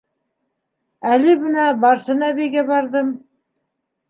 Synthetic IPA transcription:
ælɘbɘ̆næbɑɾsɤnæβæjɡæbɑɾðɤm

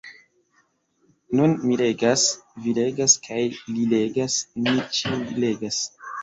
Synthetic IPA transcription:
nunmile̞ɡasvile̞ɡaskʰajlile̞ɡasnit͡ʃiile̞ɡas

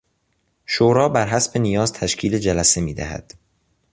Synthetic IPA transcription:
ʃoːɾɒːbæɾɦæsbe̞nijɒːzt̪ʰæʃcʰiːled͡ʒælæse̞miːd̪æ̰hæ̰d̪̥

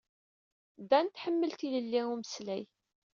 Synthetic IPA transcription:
d̪ænt̪ħəmːəlt̪iləlːiuməslæj

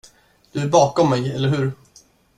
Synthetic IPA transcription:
d̪̥ɵæɾbɑːkɔmːɛjɛlːəɾɦɵ̟ɾ

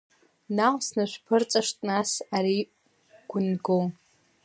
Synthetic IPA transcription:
nawʷsnaʃʷᶣpʰɨrt͡sʼaʂtʼnasaɾi | ɡ̥ʷʊnɡo

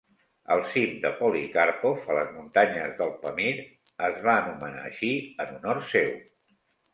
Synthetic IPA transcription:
əlˠsimd̪əpɔlikaɾpofələzmunt̪aɲəzðəlˠpəmiɾ | əzβaənuməna̰əʃiənunɔɾsew

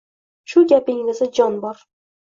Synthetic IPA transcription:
ʃʊɡʲapɪŋɪzɪd͡ʒɒnbɒɾ

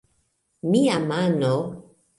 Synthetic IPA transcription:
miamano

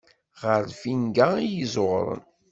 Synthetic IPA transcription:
ʁəɾfinɡæijizˤoʁɾˤə̰n

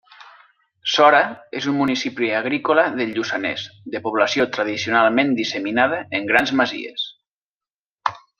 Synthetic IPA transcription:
sɔɾaezummunisipliaɣ̞ɾikolaðeʎusanḛzd̪epuβlasjot̪ɾaðisionalˠmẽnd̪iseminað̞əeŋɡɾanzmazḭḛs

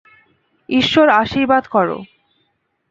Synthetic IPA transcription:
iʃːoɾaʃiɾbad̪kɔɾo̰

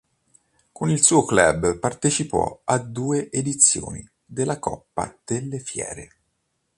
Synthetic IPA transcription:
konilsuːoklɛbpart̪et͡ʃipɔ̰ad̪uːeʔed̪it̪sːjo̰ːni | d̪elːakɔpːa̰d̪̥elːefjɛ̰ːɾe

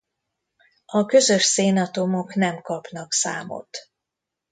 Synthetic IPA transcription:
ɒkø̞zø̞ʃseːnɒt̪o̞mo̞knɛmkɒpnɒksa̰ːmo̰t̪

